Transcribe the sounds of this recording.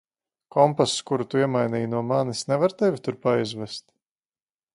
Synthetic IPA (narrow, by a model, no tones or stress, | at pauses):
kɔmpasskuɾut̪uiɛmajnʲijnuɔmanisnɛvaɾt̪ɛvʲit̪uɾpajzvɛst̪